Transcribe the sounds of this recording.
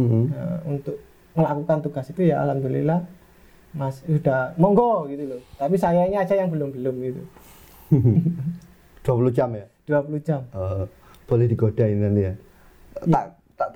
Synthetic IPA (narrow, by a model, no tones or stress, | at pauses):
m̩mə̰unt̪ʊʔ̚ | məlakukant̪uɡ̥asit̪ujaa̰lamt̪ulḭla | masud̥ahmɔŋɡɔɡit̪ulot̪apisajaiɲaːd͡ʒajaŋbəlʊmbəlʊmɡit̪ṵ | d̪̥uapulud͡ʒamjad̥uapulud͡ʒamə | b̥olɛhdiɡod̥ainnant̪ija | a̰ʔ | t̪aʔ